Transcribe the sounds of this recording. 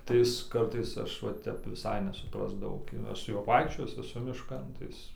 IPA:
tɐɪ ˈɪs ˈkɐrtɐɪs ˈɐʃ ˈʋɐ ˈtʲɛp ʋʲɪˈsɐɪ nʲɛsʊˈprɑːzdɐʋɐʊ ɡʲɪ ˈɐʃ sʊ ˈjuɔ ˈʋɐɪkʃʲt͡ʃʲoːjɪs ɛˈsʊ mʲɪʃˈkɐn tɐɪ ˈɪs

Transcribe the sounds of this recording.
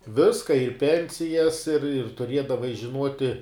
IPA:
ˈʋʲɪskɐ ɪr ˈpʲɛnʲsʲɪjɛs ɪr ɪr tʊˈrʲiɛdɐʋɐɪ ʒʲɪˈnuɔtʲɪ

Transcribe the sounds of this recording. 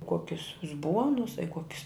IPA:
ˈkuɔkʲʊs ʊzˈbuɔnʊs ɐ ɪ ˈkuɔkʲɪs

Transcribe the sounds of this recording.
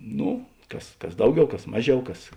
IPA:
ˈnoː ˈkɐs ˈkɐs ˈdɐʊˌɡʲɛʊ ˈkɐs ˈmɑːˌʒʲɛʊ ˈkɐs

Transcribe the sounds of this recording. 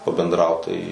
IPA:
pɐbʲɛndˈrɐʊt tɐɪ

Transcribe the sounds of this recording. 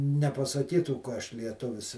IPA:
nʲɛpɐsɐˈkʲiːtuː kɐ ˈɐʃ lʲiɛˈtʊʋʲɪs

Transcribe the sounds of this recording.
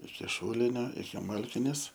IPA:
ɪkʲɪ ˈʃuːlʲɪnʲoː ɪkʲɪ ˈmɐlʲkʲɪnʲeːs

